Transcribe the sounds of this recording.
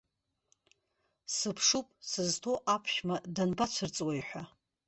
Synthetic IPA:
sɨpʰʂupʼsɨztʰo̞ʔapʰʃmadanbat͡ɕʷʰɨrt͡sʼwajħᶣʷa

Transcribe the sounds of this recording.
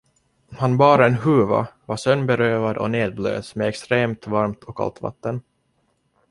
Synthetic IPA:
hanbɑːɾaɛnɦʉːva̰vaʂœnːbɛɾøːvad̪ɔ̰neːd̪̚blø̰ːsmɛɛkst̪ɾeːmt̪vaɾmt̪ʰɔkʰa̰lt̪va̰t̪ːən

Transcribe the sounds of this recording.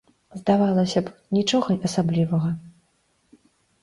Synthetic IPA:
zd̪avalˠɐsʲɐpnʲit͡ʂɔɣɐʔɐsablʲivɐɣɐ

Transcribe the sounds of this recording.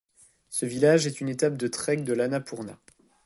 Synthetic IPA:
səvilaʒɛt̪ynet̪ap̚d̪ət̪χɛk̚d̪əlanapuʁna̰

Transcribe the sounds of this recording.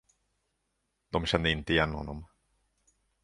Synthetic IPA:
d̪ɔmɕɛnd̪əɪnt̪əɪjɛnːhɔ̰nːɔm

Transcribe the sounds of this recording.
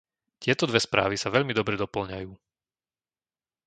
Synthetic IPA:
c̪ɪɛt̪ɔd̪ʋɛspɾa̰ːʋisaʋɛʎmid̪ɔbɾɛd̪ɔpl̩ɲajuː

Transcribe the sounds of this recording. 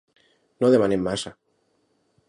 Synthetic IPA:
noðemanemːasa

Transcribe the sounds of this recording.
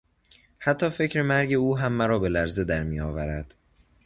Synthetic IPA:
hæt̪ʰːɒːfe̞cʰɾemæɾɟe̞uːɦæmːæɾɒːbe̞læɾze̞d̪æɾmiːjɒːvæɾæd̪̥

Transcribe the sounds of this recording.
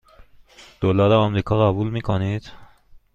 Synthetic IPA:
d̪̥olɒːɾeɒmɾiːkʰɒːɣæbuːlmiːkʰonid̪̥

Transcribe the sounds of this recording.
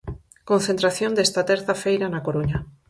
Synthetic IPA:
konθẽnt̪ɾaθjond̪est̪at̪eɾθafejɾanakoɾuɲa

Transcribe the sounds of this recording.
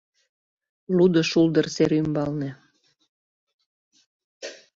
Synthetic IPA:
lud̪ə̆ʃuld̪ərseɾymbɑlnĕ

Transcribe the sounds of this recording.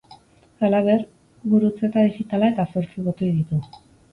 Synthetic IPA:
alaβ̞e̞r | βuɾut͡se̞t̪aðixit̪alae̞t̪aso̞ɾt͡siβot̪ojðit̪u

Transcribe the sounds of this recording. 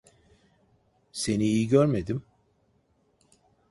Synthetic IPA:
se̞niːjiɟøɾme̞d̪im

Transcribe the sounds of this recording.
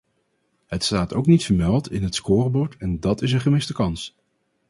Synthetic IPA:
ɦətstaːtowknitfəɹmɛlˠtʰɪnɦətskʊːrbɔɹtɛndɑtɪs̬ənχəmɪstəkɑns

